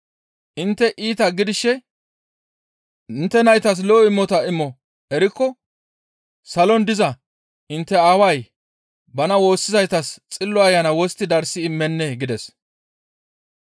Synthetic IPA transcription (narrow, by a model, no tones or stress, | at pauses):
ʔɪnt̪ːɛʔiːt̪ɐɡɪd̪ɪʃːɛ | ɪnt̪ːɛnɐjt̪ɐs̬loːɪmːɔt̪ɐɪmːɔ | ɛɾɪkːɔ | sɐlɔnd̪ɪzɐ | ɪnt̪ːɛaːwɐj | bɐnɐwo̞ːsːɪzɐjt̪ɐst͡sʼɪlːɔɐjːɐnɐwɔst̪ːɪd̪ɐɾsɪːmːɛnːɛɡɪd̪ɛs